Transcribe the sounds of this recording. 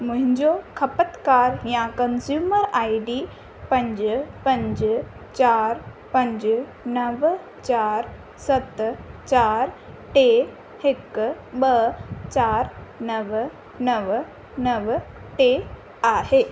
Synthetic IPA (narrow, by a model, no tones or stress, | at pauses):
mʊ̃ɦɪ̃ɲd͡ʑokʰəpət̪kaːɾjãkənsjuːməɾaːiɖiː | pɐ̃ɲd͡ʑpɐ̃ɲd͡ʑ | t͡ɕaːɾ | pɐ̃ɲd͡ʑnəʋ | t͡ɕaːɾ | sɐt̪t͡ɕaːɾ | ʈe | ɪk | ɓət͡ɕaːɾnəʋ | nəʋ | nəʋʈe | aːɦeː